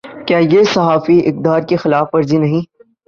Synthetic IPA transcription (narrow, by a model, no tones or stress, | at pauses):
kjaːjesɐɦaːfiʔɪk̚d̪aːɾkexɪlaːfʋɐɾzinɐɦĩː